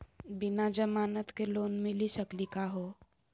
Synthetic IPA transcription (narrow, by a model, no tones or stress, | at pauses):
binad͡ʒəmaːnət̪keloːnmilisəklikaɦo